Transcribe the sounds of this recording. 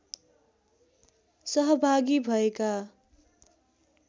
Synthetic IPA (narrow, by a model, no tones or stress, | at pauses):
sʌɦʌbʱaɡibʱʌeka